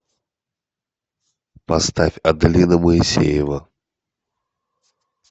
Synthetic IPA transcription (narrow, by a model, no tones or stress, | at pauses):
past̪afʲɐd̪lʲinɐməisʲḛjɛvɐ